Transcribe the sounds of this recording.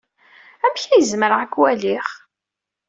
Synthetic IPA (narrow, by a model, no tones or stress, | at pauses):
æmçæjəzməɾʁakːwæliχ